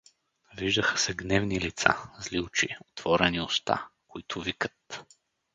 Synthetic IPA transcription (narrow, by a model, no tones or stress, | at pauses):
viʒd̪əxə̥sɛɡnɛvnilit̪sa̰zlilˠt͡ʃiot̪vɔɾɛniost̪a̰koit̪ʰʊvikə̥t̪